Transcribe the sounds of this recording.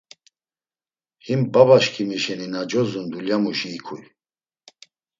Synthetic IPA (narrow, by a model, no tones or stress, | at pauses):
himbabaʃkʰimiʃɛninad͡ʒɔzund̪uljamuʃiːkʰuj